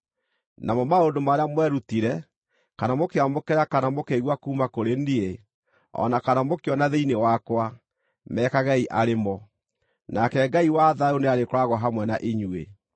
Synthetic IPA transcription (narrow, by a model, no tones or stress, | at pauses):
namɔmaondomaɾeamwɛɾutiɾɛ | kanamokeamokɛɾakanamokeɣwakuːmakoɾendie | ɔ̰nakanamokeɔnaðeinewakwa | mɛːkaɣaiʔaɾemɔ | nakɛɡaiwaðaoneaɾekoɾaɣɔɦamwɛnaʔeɲwḛ